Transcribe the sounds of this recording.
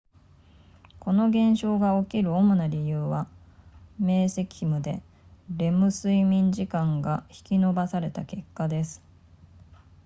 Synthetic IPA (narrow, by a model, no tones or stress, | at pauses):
ko̞no̞ɡẽ̞ɰ̃ɕo̞ːɡao̞kʲiɾɯ̟omonaɾʲijɯ̟ːβa | me̞ːse̞kʲi̥imɯ̟d̪e̞ | ɾe̞mɯ̟sɨimʲĩɲd͡ʑikãŋɡaçi̥kʲino̞basaɾe̞t̪ake̞kːad̪e̞sɨ̥